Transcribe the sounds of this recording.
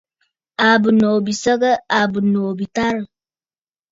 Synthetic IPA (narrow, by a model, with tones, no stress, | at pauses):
a˨bu˨noː˨bi˨sə˦ɡə˦a˨bu˨no˨bi˨ta˦ɾ